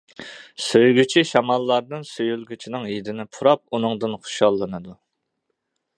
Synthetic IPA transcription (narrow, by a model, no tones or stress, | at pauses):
søjɡʲyt͡ʃʰiʃɑmɑlˠːɑɾnɨnsøjylˠɡʲyt͡ʃʰinɪŋjid̪ɪnɪpʰuɾɑp̚unɨŋd̪ɨnχʊ̥ʃɑlˠːɨnɨd̪u